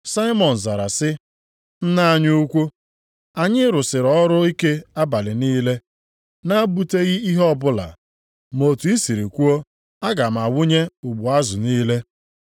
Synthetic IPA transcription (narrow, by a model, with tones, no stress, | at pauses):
sa˦ɪ˦mɔ˨n̩˨za˨ɾa˨sɪ˦ | n̩˦na˦ɲʊ˦u˦kʷu˦ | a˨ɲɪ˦ɾʊ˨sɪ˨ɾɔ˦ɾʊ˦i˦ke˦a˦ba˨lɪ˨niː˦le˦ | na˦bu˦te˦ɣɪ˦i˦ɦɔ˦bʊ˦la̰˨ | mo˨tu˨i˦si˨ɾi˨kʷu˦o˦ | a˦ɡa˨m̩˨a˨wʊ˦ɲe˦u˨ɡ͡bʊ˨a˦zʊ˨niː˦le˦